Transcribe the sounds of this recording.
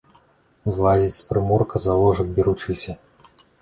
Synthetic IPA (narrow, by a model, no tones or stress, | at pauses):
zlˠazʲit͡sʲspɾɨmɔrkɐzalˠɔʐɐk̚bʲiɾut͡ʂɨsʲɐ